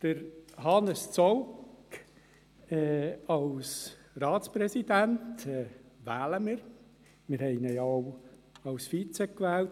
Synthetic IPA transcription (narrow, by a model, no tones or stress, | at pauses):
d̥əɾhɑnəst͡sɔwk | ɛːɑls | ɾɑːtt͡spɾɛsidæntɛːvæːləmiɾ | mɪɾhɛɪnəjow | ɑlsfit͡sɛkːʋɛːlt